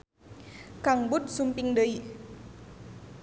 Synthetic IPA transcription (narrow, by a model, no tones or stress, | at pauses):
kaŋbut̪̚sumpiŋdəj